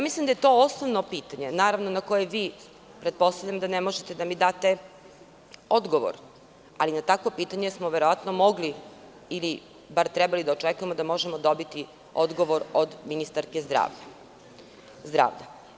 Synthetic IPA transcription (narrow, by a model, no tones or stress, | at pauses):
jamislˠimd̪ajet̪o̞osnoʋnopiːt̪aɲe̞naːɾaʋnonako̞jeʋiː | pɾet̪̚po̞st̪aʋʎʲamd̪anemoʒet̪e̞d̪amid̪aːt̪e̞ | o̞d̪ɡo̞ʋo̰ɾ | alinat̪akʋo̞piːt̪aɲesmoʋeɾo̞ʋat̪nomo̞ɡli | ili | baɾt̪ɾɛbalid̪aot͡ʃekuje̞mod̪amo̞ʒemod̪o̞bit̪i | od̪ɡo̞ʋo̞ɾod̪minist̪aɾkezd̪ɾa̰ːa | zd̪ɾa̰ːʋʎa